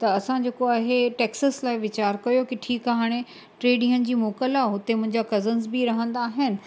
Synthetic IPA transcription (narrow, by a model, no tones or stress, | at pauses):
t̪ɐɐsãd͡ʑeːkoaːɦeʈeːksəslaːɪʋɪt͡ɕaːɾkɐjokɪʈʰiːkaɦaːɽ̃e | ʈɾeːɖĩːənɪ̆d͡ʑiːmoːkəlaɦʊt̪emʊ̃ɦɪ̃ɲd͡ʑakɐzənzbiɾɐɦə̃nd̪aːɦɪnɪ̆